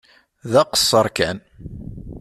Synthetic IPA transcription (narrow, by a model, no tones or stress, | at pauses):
ðæqə̥sˤːəɾˤkæn